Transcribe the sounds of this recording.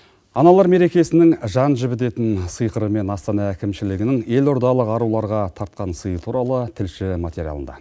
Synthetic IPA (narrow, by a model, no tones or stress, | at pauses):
ɑnɑlˠɑɾme̞ɾe̞kʲe̞sɪnɪŋʒɑnʒɪbɪt̪e̞t̪ɪnsəjqəɾəme̞nɑst̪ɑnɑækʲɪmʃɪlɪɡʲɪnɪŋe̞loɾd̪ɑlˠəqɑɾulˠɑɾʁɑt̪ʰɑɾt̪̚qɑnsəjət̪ʰuɾɑlˠət̪ʰɪlʃɪmat̪eɾʲijɑ̰ə̰nd̪ɑ̰